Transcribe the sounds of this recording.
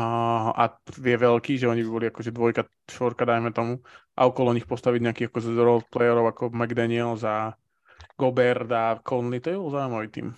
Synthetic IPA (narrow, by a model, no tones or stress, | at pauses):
a̰ʋɪɛʋɛlkiːʒɛɔɲibibɔliakɔʒɛd̪ʋɔjka | ʃɔɾkad̪ajmɛt̪ɔmuʔa̰ɔkɔlɔɲixpɔst̪aʋiɟɲɛakiɣakɔzɾɔlt̪̚plɛjɛɾɔʊakɔmaɡd̪aniɛlza | ɡɔbɛɾd̪akʰɔnlit̪ɔbibɔlɔzauimaʋit̪ḭːm